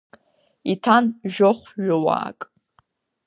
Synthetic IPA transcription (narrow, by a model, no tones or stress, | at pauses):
itʰanʒoχʷɥʊwa̰ːkʼ